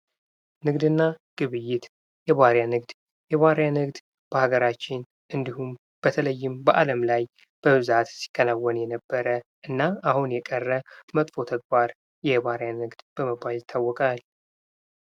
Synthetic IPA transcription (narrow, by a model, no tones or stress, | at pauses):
nɨɡd̪ɨnːaɡ̥ɨβɨjːɪt̪ | jɛβaɾjanɨɡd̪ | jɛβaɾjanɨɡd̪ | b̥əhaɡəɾat͡ʃːɪn | ʔɨnd̪ihum | b̥ət̪ʰələjːɪmbəʔaləmlaj | b̥əβɨzat̪si̥kʼːənawːənjɛnəbːəɾəʔɨnːaahunjɛkʼərːəmət̪ʼfo̞t̪ʰəɡ̚baɾ | jɛβaɾjanɨɡd̪b̥əməbːaljɪt̪ʰːawːɔkʼal